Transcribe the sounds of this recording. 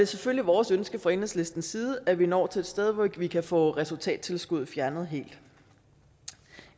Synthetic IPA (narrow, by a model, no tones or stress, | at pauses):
d̥e̝sefølliʋɒːsønsɡ̥əfʁɑenesle̝sd̥n̩siːð̞ˠəʔæʋienɒ̰ːt͡sʰe̝e̝d̥sd̥eð̞ˠʋɒʋikʰæfɔ̰̽ːʁɛsult͡sʰɛ̰ːd̥̚t͡sʰe̝lsɡ̥uð̞̰ˠfjæɐnð̞̩ˠɦe̝̰ːld̥